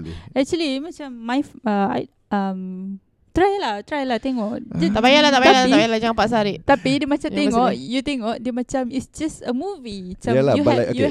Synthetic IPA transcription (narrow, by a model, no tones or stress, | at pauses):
ɛk̚t͡ʃuəlimat͡ʃamːajfaa̰ | am | t̪ɾajlaht̪ɾajlaht̪eŋɔʔd͡ʒat̪abajalaht̪aʔbaalat̪aaajalad͡ʒaŋãpaʔs̬aɾiʔt̪apidəmat͡ʃãt̪eŋɔʔjut̪eŋɔʔdəmat͡ʃamisd͡ʒasəmuviat͡ʃaljuju